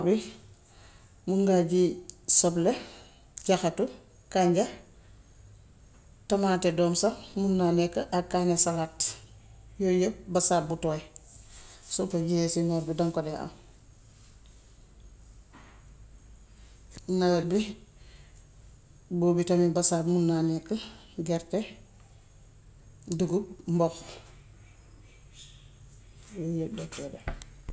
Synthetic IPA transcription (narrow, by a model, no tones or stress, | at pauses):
bi | muŋɡaɟisoble | ɟaxatu | kaɲɟa | tamaːtedoːmsamunːanekaʔakːaːnesalaːt | jojəbasaːbutoe | sopeɟijesinaɾbidaŋkodea̰m | nabi | bobitamibasaːbmunːanɛkːə | ɡɛɾte | duɡumbɔx | jojədɛtːede